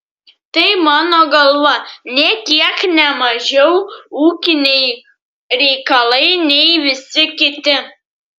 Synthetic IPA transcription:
t̪ɐɪmɑːnoɡɐlˠʋɐnʲet̪ʲiɛknʲɛmɑʒɛwuːkʲɪnʲej | ɾʲɛjkɐlˠɐɪnʲejʋɪsʲɪkʲɪt̪ʲɪ

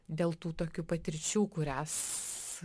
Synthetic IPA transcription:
d̪ʲeːlˠt̪uːt̪oːkʲuːpɐt̪ʲɪɾʲt͡ʃʲuːkʊɾʲæːs

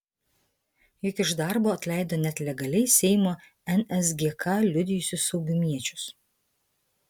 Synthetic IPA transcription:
jʊkɪʒd̪ɑˑɾboːɐt̪ʲlʲæˑɪd̪oːnʲɛt̪lʲɛɡɐlʲɛɪsʲɛɪmoː | ɛnʲɛs̬ɡʲeːkɐlʲʊd̪ʲɪjʊsʲʊsɒʊɡʲʊmʲiɛt͡ʃʲʊs

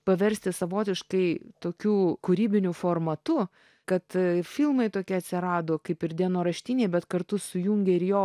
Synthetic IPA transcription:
pɐʋʲɛɾʲsʲt̪ʲɪsɐʋoːt̪ʲɪʃkɐɪt̪oːkʲuːkuɾʲiːbʲɪnʲʊfoːrmɐt̪ʊ | kɐt̪fʲɪlˠmɐɪt̪oːkʲiːɐt̪ʲsʲɪɾɑːd̪oːkɐɪpɪɾd̪ʲiɛnoːɾɐʃʲt̪ʲinʲeɪbʲɛt̪kɐɾt̪ʊsʊjuŋʲɡʲɛɪɾjoː

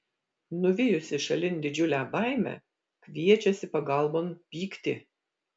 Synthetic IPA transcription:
nʊʋʲɪjʊsʲɪʃɐlʲɪnʲd̪ʲɪd͡ʒʲʊlʲæːbɑˑɪmʲæ̰ | kʋʲiɛt͡ʃʲɛsʲɪpɐɡɐˑlˠˑboːmpʲiːkt̪ʲɪ

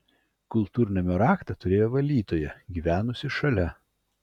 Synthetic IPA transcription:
kʊlˠt̪uːɾʲɪnʲɛmʲoːɾɑːkt̪ɐt̪ʊɾʲeːjoːʋɐlʲd̪ʲiːt̪oːjɛɡʲiːʋʲæːnʊsʲɪʃɐlʲɛ

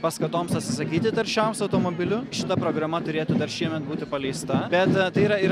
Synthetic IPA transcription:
pɐskɐt̪oːmsɐt̪ʲsʲɪsɐkʲiːt̪ʲɪt̪ɐɾʲʃʲɛmsɐʊt̪oːmoːbʲɪlʲʊʃʲɪt̪ɐpɾoːɡɾɐmɐt̪ʊɾʲeːt̪ud̪ɐɾʃʲiɛmʲɛt̪̚buːt̪ʲɪpɐlʲɛɪst̪ɐbʲɛt̪t̪ɐɪiɾɐiː

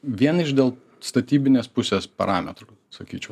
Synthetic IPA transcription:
ʋʲiɛnɪʒd̪ʲeːlˠ | st̪ɐt̪ʲiːbʲɪnʲeːspʊsʲeːspɐ̰ɾɑːmʲɛ̰t̪ɾu | sɐkʲiːt͡ʃʲɛʊ

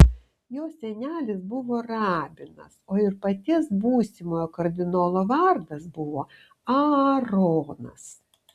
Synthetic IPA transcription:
joːsʲɛnʲæːlʲɪsbʊʋoːɾɑːbʲɪnɐ̰soːɪɾpɐt̪ʲɪsbuːsʲɪmoːjoːkɐɾʲd̪ʲɪnoːlˠoːʋɐɾd̪ɐsbʊʋoː | ɐɾoːnɐ̰s

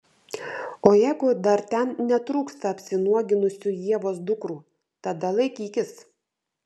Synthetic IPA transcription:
oːjæɪɡʊd̪ɐɾt̪ʲɛnnʲɛt̪ɾuːkst̪ɐːpʲsʲɪnuɔɡʲɪnʊsʲuːjiɛʋoːsd̪ʊkɾuː | t̪ɐd̪ɐlˠɐɪkʲiːkʲɪs

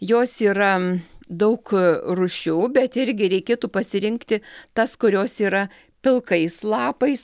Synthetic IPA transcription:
joːsiːɾɐd̪ɐʊkrʊʃʲuːbʲɛt̪ɪɾʲɡʲɪɾʲɛɪkʲeːt̪uːpɐsʲɪɾʲɪŋkt̪ʲɪt̪ɐskʊɾʲoːsiːɾɐ | pʲɪlˠkɐɪslˠɑːpɐɪs

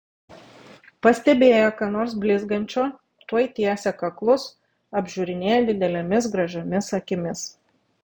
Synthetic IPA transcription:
pɐsʲt̪ʲɛbʲeːjoːkɑnoːɾsbʲlʲɪzɡɐnʲt͡ʃʲoː | t̪uɔjt̪ʲiɛsʲɛkɐklˠʊs | ɐbʲʒʲuɾʲɪnʲeːjɛd̪ʲɪd̪ʲɛlʲɛmʲɪsɡɾɐʒʲomʲɪsɐkʲɪmʲɪs

